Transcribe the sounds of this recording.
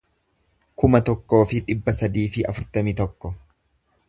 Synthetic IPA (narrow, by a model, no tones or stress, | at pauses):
kʊmɐt̪ɔkːo̞ːfɪᶑɪbːɐsɐd̪iːfɪɐ̰fʊɾt̪ɐmit̪ɔkːɔ